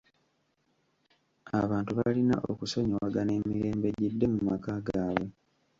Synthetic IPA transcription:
a̰βaːntuβalina̰ʔo̞̰kuso̞ɲowaɡane̞ːmiɾe̞ːmbe̞ɟidːe̞mumakaɡaːwe

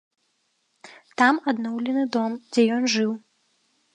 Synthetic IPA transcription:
t̪amad̪nɔwlʲɛnɨd̪ɔmd͡zʲɛjɔnʐɨw

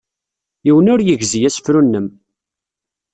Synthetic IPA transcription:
jiwənʊɾjəʝzijæsə̥fɾunːəm

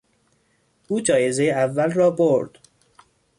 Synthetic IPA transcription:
ʔuːd͡ʒɒːje̞ze̞jeævːælrɒːboɾd̪̥

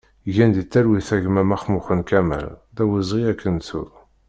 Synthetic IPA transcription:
ʝænd̪it̪ːæɾwiθæʝmæmæχmuχənkæmæ̰lðæwizˤʁiækʰːənt͡sṵɾ

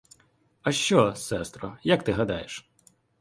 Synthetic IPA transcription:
ɐʃt͡ʃɔsɛst̪ɾɔjɐkt̪ɪɦɐd̪ɑ̰jeʃ

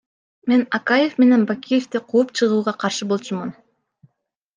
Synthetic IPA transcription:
me̞nɑkaje̞fme̞ne̞nbakʲije̞ft̪iqʰoːpt͡ʃʰɯʁuːʁɑqʰɑɾʃɯbo̞lˠt͡ʃumun

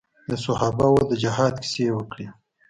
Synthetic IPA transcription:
d̪əsʊhɑbawod̪əd͡ʒahɑd̪ki̥sewəkɽi

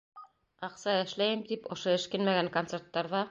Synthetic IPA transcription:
ɑqsɑɘ̆ʃlæjɘmt̪ipŏʃoɘ̆ʃkɘnmæɡæŋkont̪seɾt̪ːɑɾðɑ

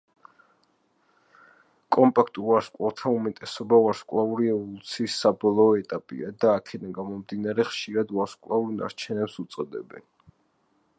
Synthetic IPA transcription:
kʼɔmpʼakʰt̪ʼuaɾskʼlalˠt̪ʰaumɛt̪ʼɛsɔbauaɾskʼlˠauɾiɛvɔlˠut̪sʰiːsːabɔlˠɔːɛt̪ʼapʼḭad̪aːkʰɛd̪anɡamɔmd̪inaɾɛχʃiɾad̪waɾskʼlˠauɾna̰ɾt͡ʃʰɛnɛpsut̪sʼɔd̪ɛ̰bɛ̰n

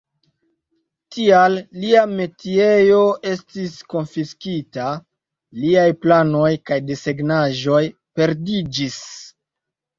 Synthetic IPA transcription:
tialːiame̞tiejo̞ʔe̞stisko̞nfiskita | liajplano̞jkajdeseɡnaʒo̞j | pe̞ɾdid͡ʒis

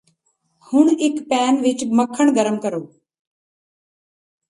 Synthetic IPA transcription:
hʊɳɪkpɛːnʋɪt͡ʃməkʰːəɳ̃ɡəɾəmkəɾoː

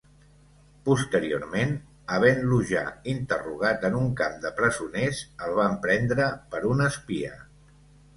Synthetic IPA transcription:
pust̪əɾio̰ɾmen | əβ̞ɛnluʒa̰int̪əruɣ̞at̪ənuŋkamd̪əpɾəzunezəlˠβ̞ampɾɛnd̪ɾəpəɾunəspiə̰

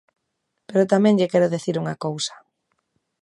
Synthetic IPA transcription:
peɾʊt̪amɛ̃ŋʎekɛɾʊðeθiɾuŋakowsɐ̥

